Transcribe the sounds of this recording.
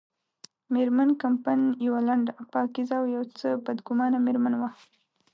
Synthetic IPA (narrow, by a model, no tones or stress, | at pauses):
meɾmankampanjawalaɳɖapɑkizaːwjawt͡səbad̪ɡʊmɑnameɾmanwa